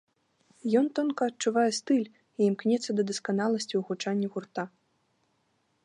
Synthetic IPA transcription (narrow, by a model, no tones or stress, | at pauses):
jɔnt̪ɔnkɐːt͡ʂuvajɛst̪ɨlʲ | iːmknʲɛt̪sːɐd̪ɐd̪ɐskanalˠɐsʲt͡sʲiwɣut͡ʂanʲːɐɣurt̪a